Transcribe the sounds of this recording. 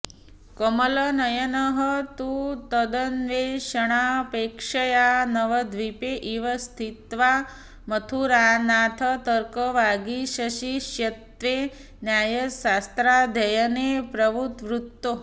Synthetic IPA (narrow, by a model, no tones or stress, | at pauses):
kəmələnəjənəɦət̪ut̪əd̪ənʋeɕəɽ̃apekʂəjanəʋəd̪ʱʋipeʔiʋəst̪ʰit̪ʋa | mət̪ʰuɾanat̪ʰət̪əɾkəʋaɡiɕəɕiɕjɐt̪ʋe | njajəsast̪ɾad̪ʱəjənepɾəʋut̪ʋɾut̪ːo